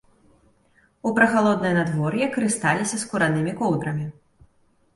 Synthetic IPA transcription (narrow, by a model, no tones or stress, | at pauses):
upɾɐxalˠɔd̪nɨjnad̪vɔɾjɛkɐɾɨst̪alʲisʲɐskuɾanɨmʲikɔwd̪ɾɐmʲi